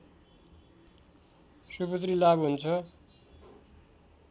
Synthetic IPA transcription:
supʌt̪̬rilabɦunt͡sʰʌ

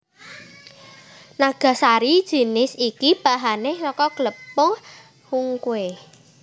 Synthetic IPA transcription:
naɡ̥a̤saɾid̥ʒ̥i̤nɪsikib̥a̤ɦanesɔkɔɡ̥ləpʊŋ | huŋkwe

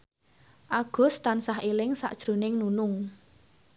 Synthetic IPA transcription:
ʔaɡ̥ʊ̤st̪ansaɦelɪŋsa̰ʔd̥ʒ̥ɾo̤nɪŋnunʊŋ

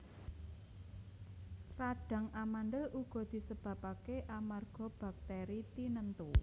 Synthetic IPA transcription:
raɖ̥ä̤ŋamanɖəlʔuɡ̥ɔ̤d̪̥i̤səb̥ä̤pakeʔamarɡ̥ɔ̤b̥a̤k̚t̪ɛɾit̪inənt̪u

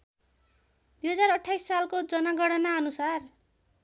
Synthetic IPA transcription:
d̪ujɦʌd͡zarʌʈʰːajsːalkod͡zʌnaɡʌɽʌnaʌnusar

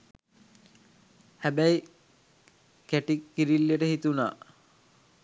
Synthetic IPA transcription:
hæbæi | kæʈikːiɾilːiəʈəhit̪una̰ː

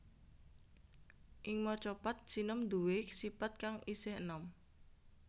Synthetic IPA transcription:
ʔɪŋmɔt͡ʃɔpat̪̚sinɔmd̪uwesipat̪̚kaŋisɪhənɔm

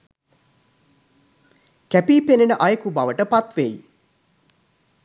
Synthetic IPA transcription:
kæpiːpenenəʔajəkubaʋəʈəpat̪ʋej

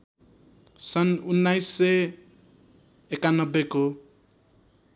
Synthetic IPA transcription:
sʌnunːajsːe | ekanʌbːeko

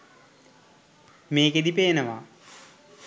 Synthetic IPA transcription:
meːked̪ipeːnəʋa̰

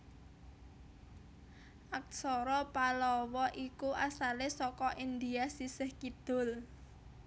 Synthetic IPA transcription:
ʔak̚sɔɾɔpalɔwɔʔikuʔasalesɔkɔʔind̪iasisɪhkid̪̥ʊ̤l

